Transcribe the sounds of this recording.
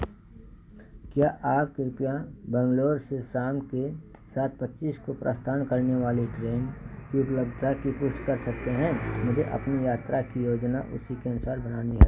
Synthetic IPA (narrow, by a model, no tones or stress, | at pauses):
kjaːʔaːp̚kɪɾpijãbɛ̃ŋɡloːɾseʃaːmke | saːt̪̚pɐtːʃiːskopɾa̰ːst̪ʰaːnkɐɾneʋaːliʈɾeːnkiʊpləbd̪ʱakipʊʃʈkɐɾsɐk̚t̪eɦɛ̃ːmʊd͡ʒʱeʔɐ̰pnijaːt̪ɾakijoːd͡ʒnaʔʊ̰sikeɐnʊsaːɾbɐnaːniɦɛː